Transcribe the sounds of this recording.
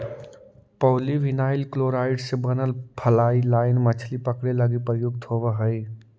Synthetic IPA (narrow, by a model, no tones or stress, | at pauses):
pəʊliʋinaɪlkloɾaɪɖsebənəlpʰəlailaɪnmət͡ʃʰlipəkɽeləɡipɾəjʊɡ̚t̪ɦobəɦəɪ